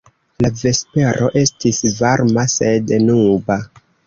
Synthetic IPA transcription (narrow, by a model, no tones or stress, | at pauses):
lave̞spe̞ɾʔo̞ʔe̞stisvaɾmase̞dnuba